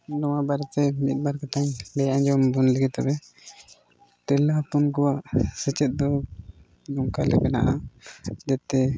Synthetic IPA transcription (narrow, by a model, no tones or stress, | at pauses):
lɔwabaɾt̪ɛmit̪̚ˀbaɾkat̪aɲbɛjãd͡ʒɔmbunlɛɡɛt̪abɛ | t̪ɛlapɔnkɔwaʔsət͡ʃɛt̪̚ˀd̪ɔ | dɔŋkalɛbɛna̰ʔa | d͡ʒat̪ɛ